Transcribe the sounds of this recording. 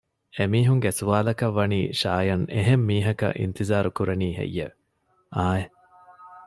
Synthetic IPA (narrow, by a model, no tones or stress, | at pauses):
emiːɦuŋɡesuʋaːlɐkɐʋːɐniːʃaːjɐneɦemːiːɦɐkɐ̰ʔḭnt̪izaːɾukuɾɐniːɦḛjːḛʋe | ʔaːe